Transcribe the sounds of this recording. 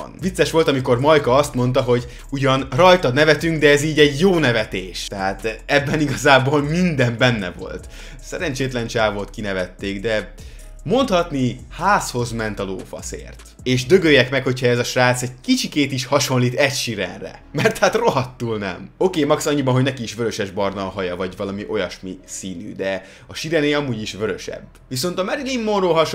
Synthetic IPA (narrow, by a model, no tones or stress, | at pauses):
nvit̪sːɛʃʋo̞lt̪ɒmiko̞rmɒjkɒɒst̪mo̞nt̪̬ɒɦo̞ɟ | uɟɒnrɒjt̪ɒnɛvɛt̪yŋɡd̪ɛːziːɟɛɟjoːnɛvɛt̪eːʃt̪ɛɦaːt̪ɛbːɛniɡɒzaːboːlmind̪ɛmbɛnːɛ̰vo̞̰lt̪ | sɛɾɛnt͡ʃeːt̪lɛnt͡ʃaːvoːt̪kinɛvɛt̪ːeːɡd̪ɛ | mo̞nt̪hɒt̪nihaːsho̞zmɛnt̪ɒlo̰ːfɒ̰sḛːrt̪ | eːʃd̪øɡøːjɛkmɛkho̞chɒɛzɒʃraːt̪sɛɟ̚kit͡ʃikeːt̪iʃhɒʃo̞nliːt̪ɛcʃiɾɛ̰nrɛ̰mɛrt̪hat̪ro̞ɦɒt̪ːuːlnɛ̰mo̞keːmɒksɒɲːibɒnɦoɟnɛkiːʃʋøɾø̞ʃɛʒbɒrnɒlɦɒjɒvɒɟvɒlɒmiʔo̞jɒʃmisiːny̰ːd̪ɛ | ɒʃiɾɛneːɒmuːɟiʃʋøɾø̞ʃɛ̰bːʋiso̞nt̪ɒmɛɾilimːonroːɦɒʃ